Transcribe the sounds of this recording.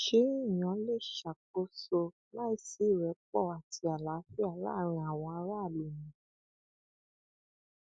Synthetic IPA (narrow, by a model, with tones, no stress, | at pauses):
ʃe˨˦i˦˨j̃ã˨˦le˦˨ʃa˨ko˦so˧ | la˦i˦si˨˦˨ɾɛ˨˦k͡pɔ˦˨a˨tʰi˧a˨la˨˦fi˦a˨la̰˦ɾ̃ĩ˧a˨w̃ɔ̃˧a˧˦ɾa˦˨lu˨nĩ˨˦